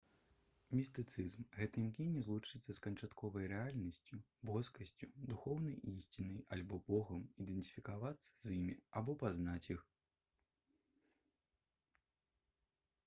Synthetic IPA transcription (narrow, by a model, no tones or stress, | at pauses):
mʲist̪ɨt̪sɨzmɣɛt̪ɨmknʲinʲɛzlˠut͡ʂɨt̪sːɐskɐnt͡ʂat̪kʰɔvɐjɾɛalʲnɐsʲt͡sʲu | bɔskɐsʲt͡sʲud̪uxɔwnɐjʔisʲt͡sʲinɐjalʲbɔbɔɣɐmid̪ɛnt̪i̥fʲikavat̪sːɐ̥zimʲiabɔpaznat͡sʲjix